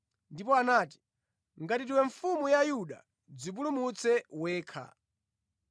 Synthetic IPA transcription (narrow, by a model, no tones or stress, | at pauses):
ndipɔanaːti̥ | ŋɡatitiwɛɱfumujajuɗa̰ | d͡zip̬ulumut͡sʰɛwɛːkʰa̰